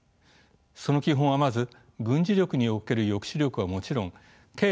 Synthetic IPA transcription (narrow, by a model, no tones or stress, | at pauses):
so̞no̞kʲiɦõɰ̃βamazɨ | ɡɯ̟̃ɲd͡ʑiɾʲo̞kɯ̟ɲ̟io̞ke̞ɾɯ̟jo̞kɯ̥ɕiɾʲo̞kɯβamo̞t͡ɕiɾõ̞ŋ | ke̞ː